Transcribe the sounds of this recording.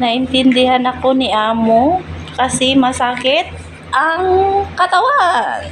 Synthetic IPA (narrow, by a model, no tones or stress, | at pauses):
nɐʔɪnt̪ɪnd̪ɪhanɐko̞nɪʔaːmo | kɐsɛmɐsaːkɪt̪̚ | ʔɐŋkɐt̪ɐwaʔ